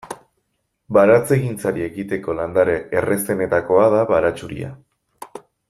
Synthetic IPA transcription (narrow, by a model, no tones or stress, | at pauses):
baɾat͡se̞ɣint͡saɾie̞ɣit̪e̞ko̞land̪aɾeere̞st̪e̞ne̞t̪ako̞að̞aβaɾat͡ʃuɾḭa̰